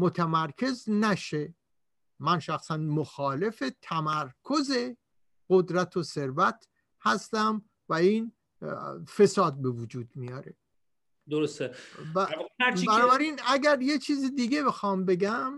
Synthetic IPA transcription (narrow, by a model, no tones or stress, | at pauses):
mot̪ʰæmæɾkʰe̞znæʃe̞ | mænʃæxsænmoxɒːle̞fet̪ʰæmæɾkʰo̞ze | ɢ̥od̪ɾæt̪ʰose̞ɾvæt̪ʰ | hæst̪æm | væiːn | fe̞sɒːd̪̚be̞vud͡ʒuːd̪mijɒːɾe̞̰ | d̪oɾost̪ebæbænnɔbæɾiːnæɡæɾje̞t͡ʃʰiːzid̪iːɡe̞be̞xɒːmbe̞ɡæm